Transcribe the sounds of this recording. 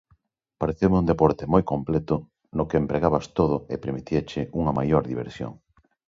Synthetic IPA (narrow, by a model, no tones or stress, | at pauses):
paɾeθemũnd̪epɔɾt̪emojkomplɛt̪ʊ | nʊkeːmpɾeɣaβɐst̪oð̞ʊḛpeɾmit̪iɐt͡ʃɪʔuŋɐmajoɾðiβḛɾsjo̰ŋ